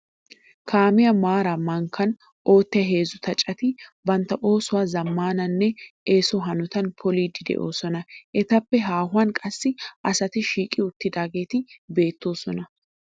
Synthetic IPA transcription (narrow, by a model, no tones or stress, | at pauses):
kʰaːmɪjɐmaːɾɐmːɐŋkʰɐn | ʔo̞ːt̪ːɪɐɦe̞ːzʊt̪ɐt͡ʃʼɐt̪ɪbɐnt̪ɐʔo̞ːsʊwɐzɐmːaːnɐnːɛʔeːsɔɦɐnɔt̪ɐnpʰɔliːd̪ɪd̪ɛ̰ʔo̞ːsɔnɐʔɛt̪ɐpːɛɦaːɦʊɐnkʼɐsːɪɐsɐt̪ɪʃiːkʼɪʊt̪ːɪd̪aːɡeːt̪ɪbe̞ːt̪ːo̞ːsɔnɐ